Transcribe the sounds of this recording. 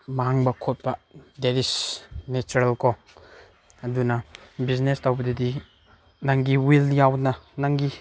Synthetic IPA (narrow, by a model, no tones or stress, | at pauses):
maɦaŋbɐkʰot̚bɐdedisnet͡ʃuɾalkɔ | ɐdunabiznestawbɐdidi | naŋɡiwiljawnanaŋɡi